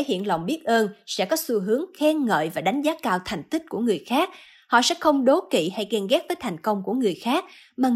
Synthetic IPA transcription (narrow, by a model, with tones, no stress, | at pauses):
hḭ˧˨ənlə̰˨˩wŋ͡mɓi˦˥ət̚ʔəː˧nsɛ̰˧˥kɔ˨˦su˧ɦɨ˨˦əŋxɛ˧nŋə̰ː˧˨jvaː˨˩ɗa˨˦jŋ̟zaː˨˦kaː˧wt̪ʰa˨˩jŋ̟t̪ï˦˥k̟̚ku˧˩əŋɨ˨˩əjxaː˦˥k̚ | hɔ̰˧˨sɛ̰˧˥xə˧wŋ͡mɗo˨˦kḭ˧˨ha˧jkɛ˧nɣɛ˦˥t̚vəː˨˦jt̪ʰa˨˩jŋ̟kə˧wŋ͡mku˧˩əŋɨ˨˩əjxaː˦˥k̚maː˨˩